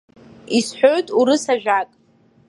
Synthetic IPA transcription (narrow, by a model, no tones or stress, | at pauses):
isħʷᶣoɥtʼuɾɨsaʒᶣakʼ